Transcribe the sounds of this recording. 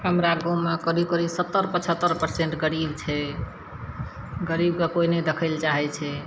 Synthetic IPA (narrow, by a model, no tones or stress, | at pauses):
ɦəmɾaɡõmekəɾib̚kəɾibsət̪ːəɾpət͡ʃʰət̪ːəɾpəɾseɳʈɡəɾibt͡ʃʰɛ | ɡəɾib̚kekoined̪ekʰəɪlt͡ʃaɦɛt͡ʃʰɛ